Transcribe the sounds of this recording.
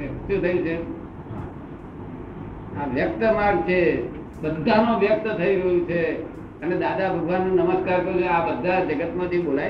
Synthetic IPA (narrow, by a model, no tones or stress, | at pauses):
t̪ũt̪ʰəjũt͡ʃʰe | aʋjək̚t̪əmaɡt͡ʃʰe | bəd̪ʱanũʋjək̚t̪t̪ʰəiɾəɦjũt͡ʃʰe | əned̪ad̪abʱəɡʱʋanːũnəməskaɾkəjũkeabəd̪ʱːad͡ʒəɡət̪mãt̪ʰibolaj